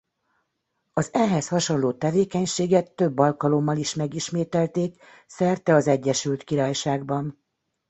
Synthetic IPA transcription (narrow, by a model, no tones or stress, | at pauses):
ɒzɛɦɛshɒʃo̞nloːt̪ɛveːkɛɲʃeːɡɛt̪ːø̞bːɒlkɒlo̞mːɒliʃmɛɡiʃmeːt̪ɛlt̪eːk | sɛrt̪ɛɒzɛɟːɛʃylt̪kiɾaːjʃaːɡbɒn